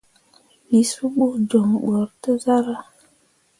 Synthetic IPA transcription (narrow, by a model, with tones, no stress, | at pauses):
mi˨su˦ɓu˦d͡ʒo˨ŋ˨ɡ͡bɔ˨ɾtə˦za˦ɾa˨